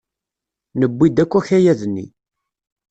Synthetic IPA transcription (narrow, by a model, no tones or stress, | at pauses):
nəbːid̪ækʷːæçæjæðənːḭ